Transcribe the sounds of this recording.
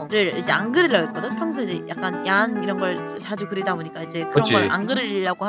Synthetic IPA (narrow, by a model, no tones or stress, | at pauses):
ɾɯɾid͡ʑe̞anɡɯɾiɭːʌit̚k͈ʌdɯnpʰjaŋs̬ʰɯd͡ʑijak̚k͈anjaniɾʌnɡʌɭsʰad͡ʑukɯɾidaboɲik͈aid͡ʑe̞kɯɾʌɡʌɾa̰nɡɯɾɯɾiɭːaɡoha